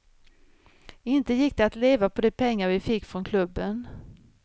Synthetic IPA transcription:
ɪnt̪əjɪk̚ːd̪ɛat̪leːvapʰɔd̪ɛpʰɛŋːaɾvɪfɪkːfɾɔnkʰlɵbːən

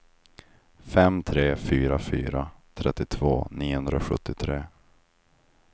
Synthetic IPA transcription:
fɛmt̪ʰɾeːfyːɾafyːɾat̪ʰɾɛt̪ːɪt̪ʰv̥oːniːhɵnd̪ɾaɔɧɵt̪ːɪt̪ʰɾeː

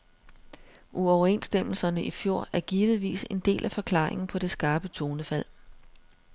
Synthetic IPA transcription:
ʔuɒʊɐe̝̰nsd̥em̰l̩sɐnəʔifjo̝ɐ̰æɐɡ̥iːʋð̞̩ˠʋḭːse̝nd̥e̝̰ːlʔæfɒ̽kʰlɑ̈ːeŋn̩pʰɒ̽ɾ̥e̝sɡ̥ɑ̈ːb̥ət͡sʰo̝ːnəfæl̰

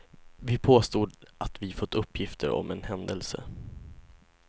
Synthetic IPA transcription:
vɪpʰoːst̪uːd̪ʔat̪vɪfɔt̪ːɵpʰːjɪft̪ʰəɾɔ̰mɛnhɛnd̪əlsə̰

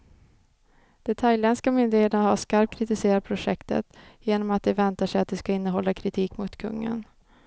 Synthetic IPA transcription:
d̪̥ɛt̪ʰajlɛnskamʏnd̪ɪheːt̪ənaɦaʂkaɾp̚t̪̚kʰɾɪt̪ɪseːɾad̪̚pʰɾʊʂɛkt̪ə̰t̪jeːnɔmat̪̚d̪ɛvɛnt̪aʂɛjat̪̚d̪ɛskaɪnːəɦɔlːakʰɾɪt̪ʰiːkmʊt̪kʰɵ̰ŋːə̰n

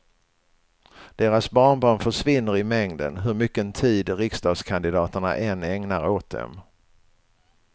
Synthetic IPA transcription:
d̪̥eːɾasbɑːɳbɑːɳfœʂvɪnːəɾɪmɛŋd̪ə̰nɦɵɾmʏkːəɛnt̪ʰiːd̪ɾɪkst̪ɑːɡskʰand̪ɪd̪ɑːt̪əɳa̰ʔɛnːɛŋnaɾoːt̪̚d̪ɛ̰m

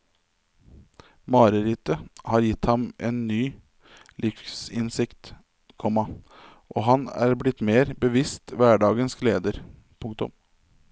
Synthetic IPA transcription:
mɑːɾəɾɪt̪əhɑːɾjɪt̪hɑmʔeːnːyː | lʔɪfsɪnsɪkt̪ | kʰɔmɑ | ʔoːɦɑnæ̰ːɾblɪt̪ːmeːɾbəʋɪst̪ʋæːɖɑːɡənskleːd̪əɾ | pʰʊŋkt̪ʊ̰m

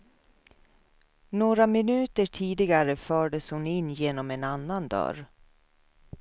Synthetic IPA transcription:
noːɾamɪnʉ̟ːt̪əʈʰiːd̪ɪɡaɾəfœːɖəshʊnɪnːjeːnɔmɛnanːand̪œ̰ɾ

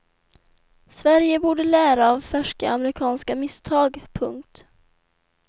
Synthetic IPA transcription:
svæɾjəbuːɖəlæːɾaːvfæʂkə̰aməɾɪkʰɑːnskamɪst̪ʰɑːɡpʰɵŋkt̪

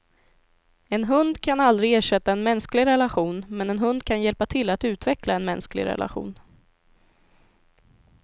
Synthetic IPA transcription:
ɛnɦɵnd̪kʰanald̪ɾɪɡeːʂɛt̪ːaɛnmɛnsklɪɡɾɛlaɧuːnmɛnɛnɦɵnd̪kʰanjɛlpat̪ʰɪlːat̪ʉ̟ːt̪vɛklaɛnmɛnsklɪ̰ɾɛ̰la̰ɧṵːn

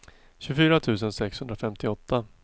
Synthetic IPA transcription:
ɕɵfyːɾat̪ʰʉ̟ːs̬ənsɛkshɵnd̪ɾafɛmt̪ɪɔt̪ːa

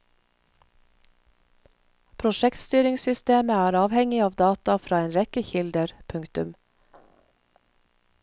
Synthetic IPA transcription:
pʰɾʊʃɛkt̪st̪yːɾɪŋsʏst̪eːməæːɾɑːʋhɛŋɪɑːʋd̪ɑːt̪ɑfɾɑːeːnɾɛkəçɪld̪əɾpʰʉŋkt̪ʉ̰m

